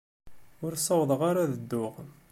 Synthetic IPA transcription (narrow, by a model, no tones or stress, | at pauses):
ʊɾsˤɑwðˤəʁaɾaðəd̪ːʊʁ